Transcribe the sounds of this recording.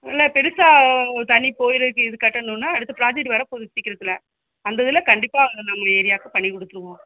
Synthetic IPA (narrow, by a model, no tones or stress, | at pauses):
ɪlːɐpɛɾɯsaːt̪ɐɳːipoːjɪɾɐkːɯɪðɯkɐʈːɐnːũnːaɐɽɯt̪ːɐpɪɾaːd͡ʒɐʈʋɐɾɐpoðɯsɪkːɪɾɐðɪlɐ | ɐnd̪ɐðɪlɐkɐɳɖɪpːaːɐŋɡɐnɐmːɐeːɾɪjaːkɯpɐɳːikɔɽɯt̪ːɯɾɯʋõː